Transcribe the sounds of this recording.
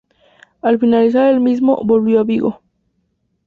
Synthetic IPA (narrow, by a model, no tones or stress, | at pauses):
alfinalis̬aɾelmizmo̰bolβjoaβiɣo̰